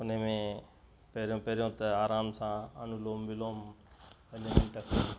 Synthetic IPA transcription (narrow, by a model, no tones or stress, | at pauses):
ʊnemẽ | peːɾjõːpeːɾjõːt̪ɐaːɾaːmsãːə̰nuloːmbɪloːm | ənemɪ̃ːʈɐkʰː